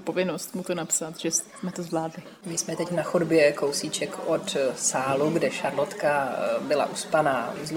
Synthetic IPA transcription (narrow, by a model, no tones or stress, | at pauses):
po̞vɪnost̪mut̪onapsat̪ʒ̥ɛs | mɛt̪ozvlaːdlɪ | mɪsmɛt̪ɛcnaxodbjɛkowsiːt͡ʃɛkʰʔot̪saːluɡdɛʃaɾlot̪kabɪla̰ʔuspanaːz